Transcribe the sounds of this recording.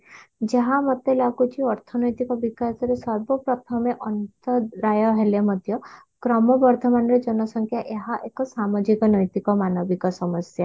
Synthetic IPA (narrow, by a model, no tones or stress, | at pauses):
d͡ʒaɦamɔt̪elakut͡ʃiɔɾt̪ʰɔnɔjt̪ikɔbikasɔɾesɔɾbɔpɾɔt̪ʰɔmeʔɔnt̪ɔɾajɔɦelemɔd̪ʱjɔ | kɾɔmɔbɔɾd̪ʱɔmanɔɾed͡ʒɔnɔsɔŋkʰjaʔeɦaʔekɔsamɔd͡ʒikɔnɔjt̪ikɔmanɔbikɔsɔmɔsja